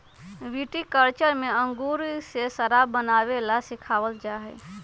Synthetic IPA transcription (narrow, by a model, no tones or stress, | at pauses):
ʋiʈikəɾt͡ʃəɾmeə̃ŋɡuɾsesəɾabənaʋelasikʰaʋəld͡ʒaɦɛ